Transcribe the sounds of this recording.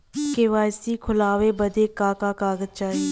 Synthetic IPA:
keʋaːjsikʰʊlaːʋebəd̪eːkaːkakaːɡət̪̚t͡ʃaːɦiː

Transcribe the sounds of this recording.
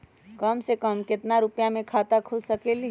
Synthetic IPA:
kəmsekəmkɪt̪naɾʊpjamẽkʰaːt̪akʰʊlsəkeli

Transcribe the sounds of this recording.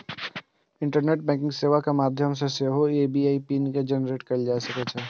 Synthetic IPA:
ɪ̃ɳʈəɾneːʈ̚bɛ̃ːk̬ɪ̃ŋɡseːʋakamaːd̪ʱjəms̬eseɦoeːbiaːipiniked͡ʒɛnɾeːʈkɐɾd͡ʒaːsɐket͡ʃʰɛː

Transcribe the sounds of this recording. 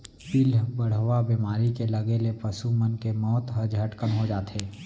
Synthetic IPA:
pilbəɽ̤ʋabemaːɾikeləɡelepəsumənkemɔːt̪ɦəd͡ʒɦəʈkənɦod͡ʒaːt̪eː

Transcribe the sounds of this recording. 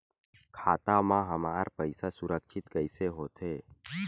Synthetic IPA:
kʰaːt̪amãɦəmaːɾpəɪsasʊɾəkʃʰɪt̪kəɪseɦoːt̪ʰeː

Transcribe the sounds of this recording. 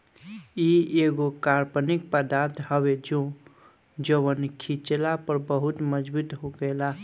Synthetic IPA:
ieɡokaɾpənik̚pəd̪aɾt̪ʰhəbed͡ʒõ | d͡ʒəwənkʰit͡ʃelapəɾbəɦut̪məd͡ʒbut̪ɦoɡela

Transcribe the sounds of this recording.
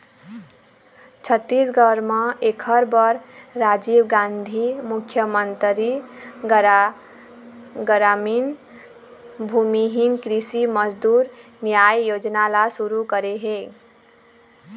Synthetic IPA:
t͡ʃʰət̪ːisɡʱəɾməekʰəɾbʌɾɾad͡ʒibɡãnd̪ʱimukʰjəmənt̪ɾi | ɡɾamin | bʱumiɦinkɾisiməd͡ʒd̪uɾnjajːod͡ʒnalasuɾukəɾeɦe

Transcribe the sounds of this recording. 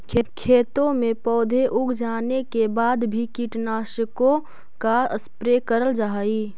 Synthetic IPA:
kʰekʰeːt̪õmẽpɔːd̪ʱeʔʊɡd͡ʒaːnekebaːd̪bʱikiʈnaːʃəkõ | kaəspɾekəɾəld͡ʒaɦi

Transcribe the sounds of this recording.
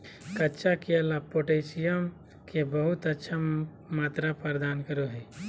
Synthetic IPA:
kɐtːt͡ʃakeəlapoːʈeːsijəm | kebəɦʊt̪ətːʃʰa | maːt̪ɾapɾd̪aːnkəɾoɦɛː

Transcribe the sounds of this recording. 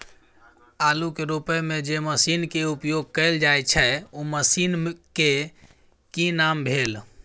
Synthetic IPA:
alukeɾupəjmed͡ʒeməsinkeupjoɡ̚kəld͡ʒajt͡ʃʰəuməsinke | kinambʱel

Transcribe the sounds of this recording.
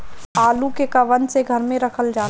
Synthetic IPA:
aːlukekaʋənseɡʱəɾmẽɾəkʰəld͡ʒaː

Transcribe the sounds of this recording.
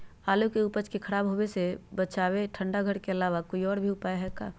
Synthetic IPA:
aːlukeupət͡ʃkekʰəɾaːbɦobesebət͡ʃaːweʈʰə̃ɳɖaɡʱəɽkeəlaːʋakoːiɔːɾbʱiʊpaːeɦɛkaː

